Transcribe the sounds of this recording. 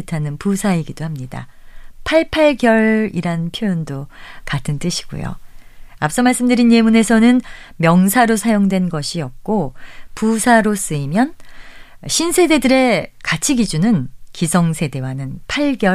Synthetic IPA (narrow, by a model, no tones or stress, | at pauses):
ɯtʰanɯnpusʰaiɡidohamɲida̰pʰaɭpʰaɭɡjʌɭiɾanpʰjojondokatʰɯnt͈ɯɕʰi̥ɡ̥ṵjo̰ap̚s͈ʌmaɭs͈ɯmdɯɾinje̞mune̞sʰʌnɯnmjʌŋsʰaɾosʰajoŋdwe̞nɡʌɕʰiʌp̚k͈opusʰaɾos͈ɯimjʌn | ɕʰinsʰe̞de̞dɯɾe̞kat͡ɕʰiɡid͡ʑunɯnkisʰʌŋsʰe̞de̞wanɯnpʰaɭɡjʌ